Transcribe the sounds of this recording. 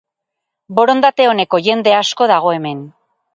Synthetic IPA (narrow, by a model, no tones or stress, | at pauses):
bo̞ɾo̞nd̪at̪e̞o̞ne̞ko̞ʝe̞nd̪e̞asko̞ðaɣ̞o̞e̞me̞n